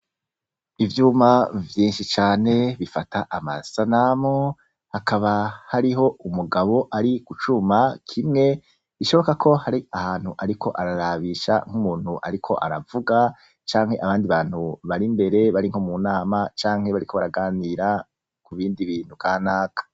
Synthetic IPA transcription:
ivjuːmavjiːnʃit͡ʃaːne̞βifatʰaʔama̰sanamo | hakʰaβahaɾiɦo̞umuɡaβo̞ʔaɾikut͡ʃumakʰimŋe̞ | iʃo̞βo̞kakʰo̞haɾiahaːn̥huʔaɾikʰo̞ʔaɾaɾaβiʃa̰ŋ̥humuːn̥huʔa̰ɾikʰo̞ʔa̰ɾavuɡa | t͡ʃaːŋ̥he̞ʔaβaːndiβaːn̥huβaɾimbe̞ɾe̞βaɾiŋhomunaːmat͡ʃaːŋhe̞βaɾiko̞βaɾaɡaːniɾa | kuβiːndiβiːn̥huɡaːnaːkḁ

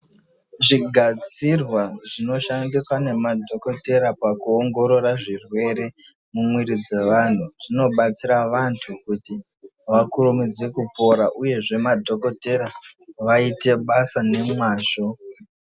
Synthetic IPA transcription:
ʐiɡʱad͡zirwaʐino̞ʃandiswane̞madʱo̞ko̞te̞ɾapakuoŋɡo̞ɾo̞ɾaʐirwe̞ɾe̞ | mumwiɾid͡ze̞ʋan̤uʐ̥ino̞ɓat͡siɾaʋantʰukuti | ʋakuɾumid͡zekupo̞ɾaʔuje̞ʐe̞madʱo̞ko̞te̞ɾaʋaite̞ɓasane̞maːʃo̞

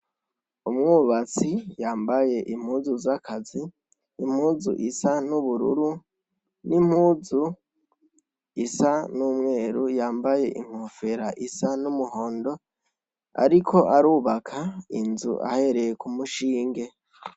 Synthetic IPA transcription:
umŋuːβat͡sijaːmbaje̞ʔim̥huːzuzakʰaziː | mhuːzṵʔisanuβuɾṵɾu | nim̥huːzu | isanuːmŋe̞ːɾujaːmbaje̞ʔḭŋ̥hofe̞ɾaʔisanumuɦo̞ːndo̞ | a̰ɾikʰo̞ʔaɾuːβakʰainzṵʔa̰he̞ɾe̞jekumuʃiːŋɡe̞

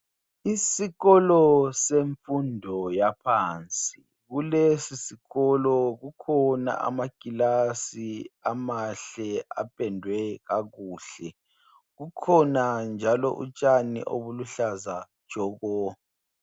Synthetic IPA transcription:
isiɣɔlɔseɱfundʱɔjapʰaːnt͡sʼi | ɣulesisiɣɔlɔɣukʰɔna̰ʔa̰maɡ̥ʱʼilasiamaɬɛa̰pʼɛndʱwɛɣaɣuːɬɛ | ɣukʰɔnand͡ʒʱalɔ̰ʔṵt͡ʃʼanḭʔo̰βuluɬazḁ | ʒ̥ʱɔːɣɔ

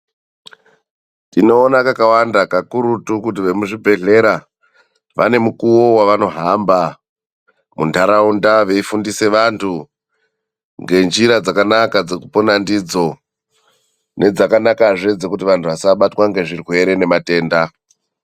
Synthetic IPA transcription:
tino̞ːnakakawandakakuɾutukut̬iʋe̞muʐibʱe̞ɮe̞ɾa | ʋa̰ne̞mukuwo̞waʋano̞ɦamba | muntaɾaundaʋe̞ifundise̞ʋantʰu | ŋɡe̞nd͡ʒiɾad͡zakanakad͡zekuponandid͡zo̞ | ne̞d͡zakanakaʐe̞d͡ze̞kutiʋantʰuʋasaɓatwaŋɡe̞ʐirwe̞ɾe̞ne̞mate̞ːnda

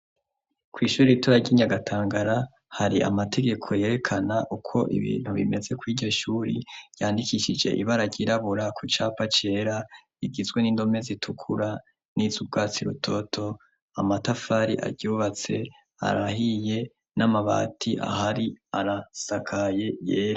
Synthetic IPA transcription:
kwiːʃuːɾiituɾaɟiːɲaɡatʰaːŋɡaɾa | haɾiʔa̰matʰe̞ɡe̞kʰo̞je̞ɾe̞kʰanaʔukʰo̞ʔḭβḭːn̥huβḭme̞ze̞kwiːɟo̞ʃuːɾḭɾjaːndikiʃid͡ʒḛʔiβaɾaɟiɾaβuɾakʰut͡ʃapat͡ʃe̞ɾa | iɡizɡwe̞niːndo̞me̞zitʰukʰuɾa | nizub̚ɡaːt͡siɾutʰo̞tʰo̞ | amatafaɾiʔa̰ɟuːβat͡se̞ | a̰ɾaɦije̞ | namaβa̰ːtʰiʔa̰haɾiaɾasakʰaje̞jeːɾa

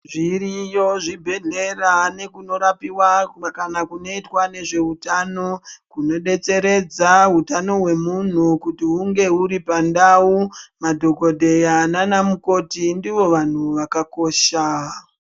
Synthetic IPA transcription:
ʐiɾijoʐibʱe̞ɮe̞rane̞kuno̞ɾapiwakanakuno̞itwane̞ʐe̞utano̞kuno̞ɗe̞t͡se̞ɾe̞d͡zaɦutano̞ɦwe̞mun̤ukutiuŋɡe̞uɾipandaumadʱo̞ko̞dʱe̞jananamuko̞tindiʋo̞ʋan̤uʋakako̞ːʃa

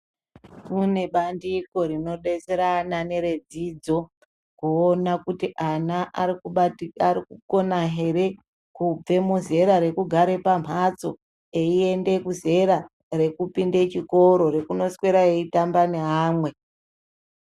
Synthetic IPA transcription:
kune̞ɓandiko̞ɾino̞ɗe̞seɾanane̞ɾed͡zid͡zo̞ | kuonakutiʔana | arikuko̞naɦe̞re̞ | kub͡ve̞muze̞ɾaɾe̞kuɡʱaɾe̞pam̤at͡so̞̰ | e̞ie̞nde̞kuze̞ɾa | re̞kupinde̞t͡ʃiko̞ɾo̞ɾe̞kuno̞skwe̞ɾaeitambane̞ɦaːmwe̞

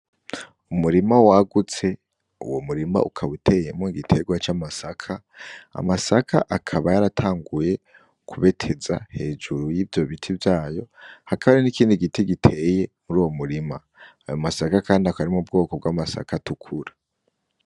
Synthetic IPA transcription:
umuɾimawaɡut͡se̞ | ṵwomuɾima̰ukʰaβutʰe̞je̞moiɡitʰe̞ɡwat͡ʃaːmasakʰa | a̰masakʰa̰ʔakʰaβajaɾatʰaːŋɡuje̞ | kʰuβe̞tʰe̞za̰he̞ːd͡ʒuɾujiːvjo̞βitʰivjaːjo̞hakʰaβaɾenikiːndiɡitiɡitʰe̞je̞muɾuːwo̞muɾima | a̰jo̞masakakaːndiakaɾimub̚ɡo̞ːko̞b̚ɡwaːmasa̰katukʰuɾa

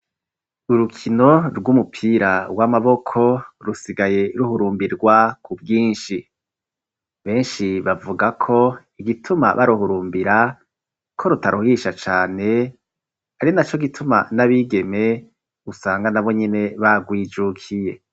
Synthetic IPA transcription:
uɾukʰino̞ɾɡumupʰiːɾaɡwamaβo̞kʰo̞ɾusiɡaje̞ɾuɦuɾuːmbiɾɡwakʰubɡiːnʃi | βe̞ːnʃiβavuɡakʰo̞ | iɡitʰuma̰βʔa̰ɾuɦuɾuːmbiɾa | kʰo̞ɾutaɾuhiʃat͡ʃaːne̞ | aɾinat͡ʃo̞ɡitʰuma̰naβiɡe̞me̞ | usaːŋɡanaβo̞ɲene̞βaɡwiːd͡ʒukʰije̞

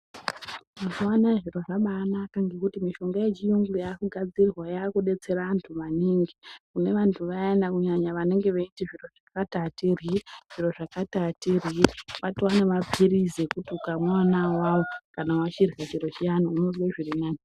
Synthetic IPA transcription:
masiwanaʐiro̞ʐaɓaːnakaŋɡe̞kutimiʃo̞ŋɡaje̞t͡ʃijuŋɡujaːkuɡʱad͡zirwajaːkuɗe̞t͡se̞raantʰuʋaniːŋɡikune̞ʋantʰuʋaenakuɲaɲaʋaneŋɡeʋeitiʐiro̞ʐ̥akatatiriʐ̥iro̞ʐakatatiriʋatiwanemapʰiɾizekutukamwanawawo̞kanawat͡ʃirɣat͡ʃiro̞t͡ʃijanouno̞zweʐirinaːni

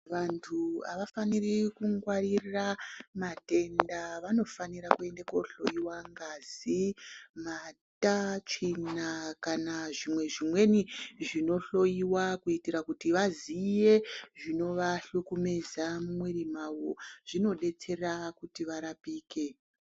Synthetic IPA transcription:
ʋantʰua̰ʋafanirikuŋɡwariramate̞ndaʋano̞faniɾakue̞ndako̞ɬo̞jiwaŋɡazimatat͡ʂinakanaʐimwe̞ʐimwe̞niʐino̞ɬo̞jiwakuitiɾakutiʋazijeʐino̞ʋaɬukume̞zamumweɾimawoʐ̥ino̞ɗe̞t͡se̞rakutiʋaɾapiːke̞

